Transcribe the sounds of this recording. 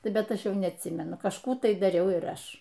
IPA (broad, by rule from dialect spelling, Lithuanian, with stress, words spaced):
ˈbʲɛt ˈɐʃ ˈjɛʊ nʲɛɐtʲˈsʲiːmʲɛnʊ kɐʃˈkuː tɐɪ dɐˈrʲɛʊ ɪr ˈɐʃ